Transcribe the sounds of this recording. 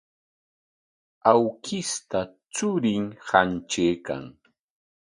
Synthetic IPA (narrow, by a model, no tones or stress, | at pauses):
awkɪst̪at͡sʊɾɪŋhant͡ʃeːka̰ŋ